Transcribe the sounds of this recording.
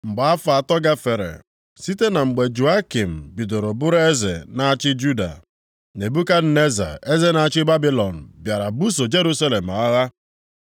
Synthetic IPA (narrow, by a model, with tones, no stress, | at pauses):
ŋ͡m̩˨ɡ͡ba˨a˦fa˨tɔ˦ɡa˦fe˨ɾḛ˨ | si˦te˦na˨ŋ͡m̩˨ɡ͡be˨d͡ʒu˨a˦ki˨m̩˨bi˨do˨ɾo˨bʊ˦ɾe˦zḛ˨na˦a˦t͡ʃɪ˦d͡ʒu˦da̰˨ | ne˨bu˦ka˦n̩˦ne˦za̰˨e˦ze˦na˨a˦˨t͡ʃɪ˦ba˦bi˦lɔ˨n̩˨bja˨ɾa˨bu˦s̬o˨d͡ʒe˦ɾu˦sa˦le˨m̩˨a˦ɣa˦